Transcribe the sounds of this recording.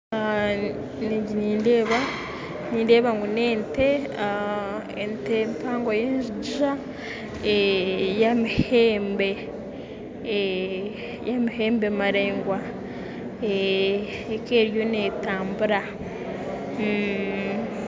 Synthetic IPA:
niɟiniːnde̞ːβa | niːndeːβaŋɡune̞ːnte̞ | ḛntempʰaːŋɡwajeːnʒiɟiʒa | ejamiheːmbe | jamiheːmbemaɾeːŋɡwa | eː | ke̞ːɾjo̞ne̞ːtaːmbuɾa

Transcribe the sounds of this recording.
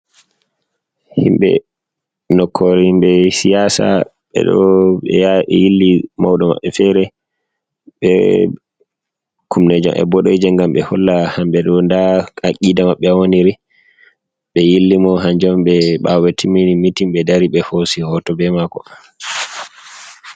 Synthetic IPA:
hḭmɓɛ̰ | nɔkʰːoɾihimɓɛsijasa̰ | ɓɛ̰ɗɔ̰ɛ̰jaɛjilːimawɗɔma̰ɓːɛfɛɾɛ | ɓɛ̰ | kʰumned͡ʒɔ̰mʔɛ̰bɔɗɔjd͡ʒɛŋɡamɓɛhɔlːahamɓɛɗɔndahakːiːdamaɓːɛwoniɾi | ɓɛjilːimɔɦand͡ʒɔmɓɛɓawetʰiminimitimɓɛdaɾiɓɛhosihɔtɔbɛmakɔ

